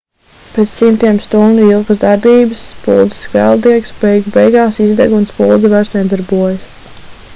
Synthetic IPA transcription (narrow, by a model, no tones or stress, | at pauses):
pɛt̪ssimt̪iɛmst̪unuilˠɡəzd̪aɾbiːbəsːpṵlˠd̪zə̥skvɛ̰lˠd̪iɛksbɛjɡubɛjɡɑːsizd̪ɛɡunt̪spulˠd̪zɛvaɾst̪nʲɛd̪aɾbuɔjs